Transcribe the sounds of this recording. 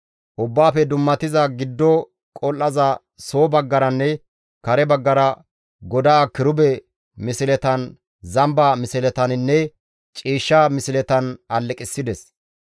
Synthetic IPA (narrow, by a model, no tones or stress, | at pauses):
ʔʊbːaːfɛd̪ʊmːɐt̪ɪzɐɡɪd̪ːɔ | kʼɔlʔɐzɐ | so̞ːbɐɡːɐɾɐnːɛ | kɐɾɛbɐɡːɐɾɐ | ɡɔd̪aːkɪɾʊbɛ | mɪsɪlɛt̪ɐn | zɐmbaːmɪsɪlɛt̪ɐnɪnːɛ | t͡ʃʼiːʃːamɪsɪlɛt̪ɐnɐlːɛkʼɪsːɪd̪ɛs